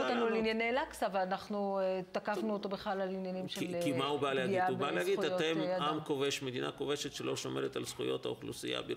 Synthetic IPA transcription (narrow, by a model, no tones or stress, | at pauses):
tanulinjanelaksavalanaχnuet̪akafnuot̪obeχlalalinjanimʃelkimaubaleaɡiadubbaleaɡid̪ajotemamkoveʃme̞d̪ina̰kove̞ʃet̪ʃelo̞ʃomeʁet̪a̰lsχujo̞̰t̪a̰uχlṵsija̰bi